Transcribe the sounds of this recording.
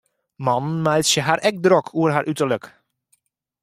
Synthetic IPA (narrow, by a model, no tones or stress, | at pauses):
mɑnnmajtsjəɦaɾʔɛk̚drɔkʰuərɦaɾʔytərlək